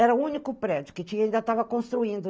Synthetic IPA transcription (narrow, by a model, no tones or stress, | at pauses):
ɛɾɐuunikʊpɾed͡ʒʊkɪt͡ʃĩɲɐĩnd̪ɐt̪avɐkõst̪ɾuĩnd̪ʊ